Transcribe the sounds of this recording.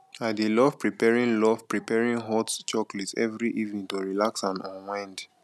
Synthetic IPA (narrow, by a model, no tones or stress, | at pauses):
adilɔv̥pɹipɛɹĩnlɔvpɹipɛɹĩŋɦɔtt͡ʃɔklɛtɛ̰vɹiʔivnĩntoɹilaksãnɔ̃nwɛ̃nd